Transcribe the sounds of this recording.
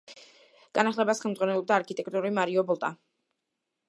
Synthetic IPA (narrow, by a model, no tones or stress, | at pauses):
ɡ̥anaχlɛbasχɛlmd̪zʁwanɛlˠɔbd̪aːɾkʰit̪ʼɛk̚ʰʼt̪ʼuɾimaɾiɔbɔlˠt̪ʼa̰